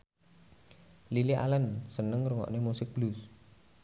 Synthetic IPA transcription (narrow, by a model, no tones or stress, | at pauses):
lilia̰lənsənəŋruŋɔ̰ʔnemusɪk̚b̥lus